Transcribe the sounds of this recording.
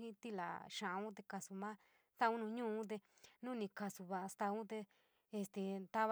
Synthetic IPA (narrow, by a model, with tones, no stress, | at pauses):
ĩ˦t̪i˧la̰˨ʃã˨˧ũ˦t̪̬e˧ka˧su˧mã˦ | t̪a˧ũ˦nũ˧ɲũː˦˧ũ˦t̪̬e˧nũ˦nĩ˧ka˧su˧βa˧st̪a˧ũ˦t̪e˧ | e˧st̪e˧nt̪a˦β